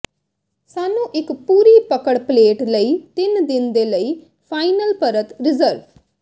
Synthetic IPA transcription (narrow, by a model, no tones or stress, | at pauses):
saːnũːʔɪkpuːɾiːpəkəɽpleːʈləiːt̪ɪnd̪ɪnd̪eːləiː | pʰaːinəlpəɾət̪ɾɪzəɾʋ